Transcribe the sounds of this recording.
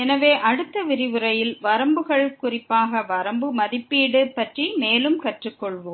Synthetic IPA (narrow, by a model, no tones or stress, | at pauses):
ɛnɐʋeːʔɐɽɯt̪ːɐʋɪɾɪʋɯɾɐjɪlʋɐɾɐmbɯɣɐɭkʊrɪpːaːɣɐʋɐɾɐmbɯmɐðɪpːiːɽɯpːɐʈrimeːlɯmkɐʈrɯkːɔɭʋoːm